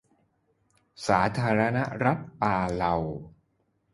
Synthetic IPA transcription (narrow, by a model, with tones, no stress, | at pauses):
saː˩˦t̪ʰaː˧ɾa˧na˦˥ɾa˦˥t̪̚paː˧la˧w